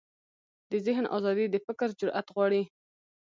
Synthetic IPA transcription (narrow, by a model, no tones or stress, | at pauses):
d̪əzɪɦnʔɑ̰zɑd̪id̪əfɪkɾd͡ʒʊɾʔa̰t̪ɣwɑɽi